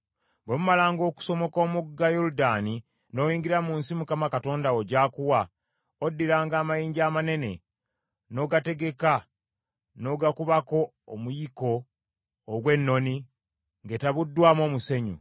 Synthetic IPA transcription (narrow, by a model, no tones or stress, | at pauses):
bwemumalaːŋɡo̞ku̥so̞mo̞koːmuɡajoɾudaːni | no̞ːjiːŋɡiɾamunsimukamakato̞ːndao̞ɟaːkuwa | odːiɾaːŋɡaːmajiːɲɟaːmane̞ne̞̰ | no̞ːɡate̞ɡe̞ka | no̞ɡakuβako̞ː | mujiko̞ː | ɡwe̞nːo̞ni | ŋɡe̞taβudːwaːmo̞ːmuse̞ɲṵ